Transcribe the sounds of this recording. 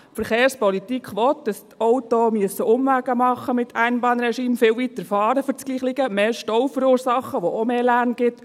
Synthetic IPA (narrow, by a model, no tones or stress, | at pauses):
fəɾχeːɾspɔlitikʰʋɔt̚d̥ɑstɔwtoːmyəsəʔʊmʋæɡ̥əmɑχːəmɪt̪ʰæɪnbɑːnɾɛʃiːmfɪwʋit̪əɾfɑːɾəfʏɾt͡sɡ̥liːχlɪɡəmeːʃtɔwfəɾuːɾsɑχːəʋɔʔomeːlæɾnɡ̥ɪt̪